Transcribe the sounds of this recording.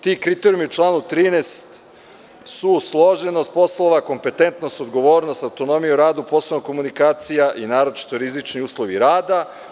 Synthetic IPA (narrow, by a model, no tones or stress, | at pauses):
t̪iːkɾit̪eɾjumiut͡ʃlˠaːnut̪ɾiːnest̪ | suslˠo̞ʒenost̪̚po̞slˠoʋako̞mpe̞t̪e̞nt̪nost̪od̪ɡo̞ʋo̞ːɾnost̪awt̪o̞no̞mijeɾaːd̪upo̞sonoko̞munikaːt̪sijaʔinaːɾo̞t͡ʃi̥t̪oɾizit͡ʃniuːslˠo̞ʋiɾaːd̪a